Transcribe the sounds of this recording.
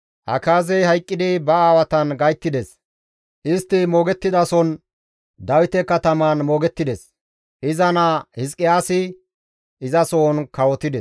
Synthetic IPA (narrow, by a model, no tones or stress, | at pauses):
hɐ̰kaːzɛjhɐjkʼːɪd̪ɪbɐaːwɐt̪ɐnɡɐjt̪ːɪd̪ɛs | ʔɪst̪ːɪmo̞ːɡɛt̪ːɪd̪ɐsɔn | d̪ɐwɪt̪ɛkːɐt̪ɐmaːnmoːɡɛt̪ːɪd̪ɛs | ʔɪzɐnɐhɪs̬kʼːɪjaːsɪ | ʔɪzɐsoːnkɐwɔt̪ɪd̪ɛs